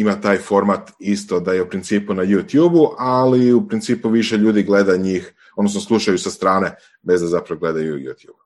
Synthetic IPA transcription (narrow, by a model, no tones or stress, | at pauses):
imat̪aːjfo̞ɾmat̪ist̪o̞d̪ajeupɾint̪siːpunajuːt̪juːbuʔaliupɾint̪siːpuʋiʃe̞ʎuːd̪iɡle̞d̪aɲiːx | od̪nosnoslˠuʃajusast̪ɾaːne̞ | be̞zd̪azapɾaʋoɡle̞d̪ajuujṵːt̪jṵːbu